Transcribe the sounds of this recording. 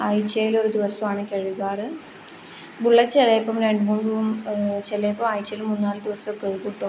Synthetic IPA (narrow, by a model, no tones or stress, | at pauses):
ajit͡ɕːɐjilo̞ɾud̪iʋɐsɐmaːɳɨkʲeɻuɣaːrɨ | buɭːɐt͡ɕːelejpːɐmɾe̞ɳɖɨmuːɳɖumt͡ɕelejpːɐmajit͡ɕːɐjilumːunːaːlɨd̪iʋɐsɐkːeɻkuʈːo